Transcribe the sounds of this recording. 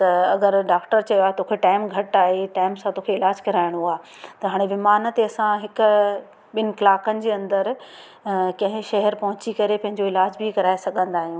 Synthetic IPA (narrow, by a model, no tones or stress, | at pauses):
t̪ɐɐɡəɾɖaːkʈəɾt͡ɕɐjoaːɦet̪oːkʰeʈaːɪmɡʱɐʈaːɦeʈaːɪmsãt̪okʰeɪlaːd͡ʑkɐɾaːɪɽ̃ɦuaː | t̪ɐɦaːɽ̃eʋɪmaːnət̪eɐsãɦɪkʊ | ɓɪnɪ̆klaːkənɪ̆d͡ʑeːɐ̃nd̪əɾ | kɐ̃ɦɪ̃ʃɐɦɛɾpɐɦʊ̃t͡ɕikɐɾepɐ̃ɦɪ̃ɲd͡ʑoɪlaːd͡ʑbʱikɐɾaːesɐɡʱə̃nd̪aːɦijũː